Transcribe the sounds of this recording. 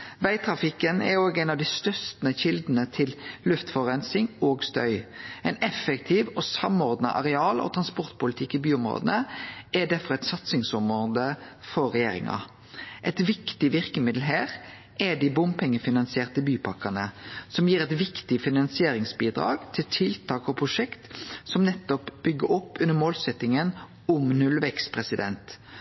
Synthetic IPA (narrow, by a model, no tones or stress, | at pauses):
ʋæɪt̪ʰɾɑfɪkənɛ̰ɾoːɡæɪnɑʋd̪ɪst̪œʁst̪əçɪld̪n̩ət̪ʰɪllʉft̪fɔʁɛnsɪŋoːɡst̪œ̰ʏɛɪnɛfəkt̪ʰiʋosɑmɔʁd̪nɑ̰ʔɑ̰ʁɛɑːlɔ̰t̪ʰɾɑnspɔɾt̪̚pʊlt̪ʰɪkːɪbyːʊmɾo̰ːd̪ənəʔɛd̪æɾfɔʁɛt̪sɑt̪sɪŋsʊmʁoːd̪əfɔɾːɛjeːɾɪ̰ŋɑ̰ | ʔɛt̪ʋɪkt̪ɪʋɪɾkəmɪd̪l̩ɦæːɾ | ʔɛd̪ɪbʊmpʰɛŋːəfɪnɑnsɪeːʁt̪əbyːpʰɑkɑnəsɔmjiːɾɛt̪ʋɪkt̪ɪfɪnɑnsɪeːɾɪŋsbiːd̪ɾɑ̰ːɡt̪ʰɪlt̪ʰɪlt̪ʰɑːkɔpʰʁʊʂɛkt̪sɔmnɛt̪ːɔpb̥ʏɡːəɾɔpːʉnːəmoːlsɛt̪ːɪŋən | ʊmnʉlʋɛkspʰʁɛsɪd̪ɛ̰nt̪